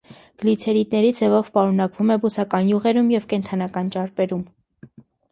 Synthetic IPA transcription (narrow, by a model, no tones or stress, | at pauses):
ɡ̥əlit͡sʰɛɾit̪nɛɾid͡zɛvɔvpɑɾunɑkvumɛbusɑkɑnjuʁɛɾumjɛvkɛnt̪ʰɑnɑkɑnt͡ʃɑɾpɛɾum